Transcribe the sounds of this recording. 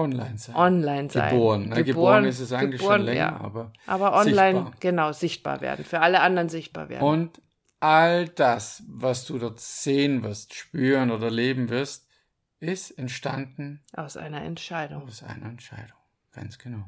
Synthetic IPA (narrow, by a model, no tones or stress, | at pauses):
ʔɔnla̰ɪnzaʔɔnlaɪnza̰ɪboːʁənːaəɡəboːənɪsɛsaɪəɡŋ̩lɪçboːənlɛja̰ːɐ̰ʔa̰ːbɐʔa̰ːbɐʔɔnlaɪnɡ̥ənaʊzɪçt̚b̥a̰ːɐvḛɐdn̩fyːɐʔaləʔandəʁənzɪçt̚b̥a̰ːɐvḛːɐnʊnt | ʔald̥asvasd̥uːdɔɐtz̥eːənvɪɐstʃpyːʁənoːdɐleːbm̩vɪɐlst̚ | ʔɪstɛntʃta̰ndn̩ʔaʊsʔa̰ɪnɐɛ̰ntʃaɪdʊŋʊsʔa̰ɪnɐɛntʃa̰ɪdʊŋ | ɡ̥a̰nsɡ̥ənaʊ